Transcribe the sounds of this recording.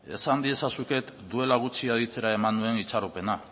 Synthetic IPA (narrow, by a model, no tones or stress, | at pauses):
e̞̰sand̪ie̞sasuke̞t̪d̪ue̞laɣ̞ut͡siað̞it͡se̞ɾae̞mand̪ue̞nit͡saɾupe̞na